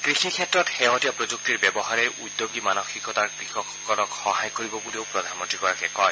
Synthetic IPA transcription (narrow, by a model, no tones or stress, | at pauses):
kɹixʰikʰɛtɹɔtxɛɦɔtijɔpɹozuk̚tiɹbɛbɔɦaɹɛjʔudːoɡimanɔxikɔtaɹkɹixɔɔkːɔlɔkxɔɦajkoɹibɔbuleʊpɹɔdʱanmɔntɹikɔɹakɛkɔj